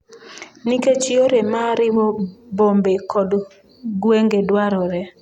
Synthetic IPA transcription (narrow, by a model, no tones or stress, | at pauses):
niket͡ʃɪoɾemaɾɪwɔbombekʰɔd | ɡweŋɡedwaɾɔɾɛ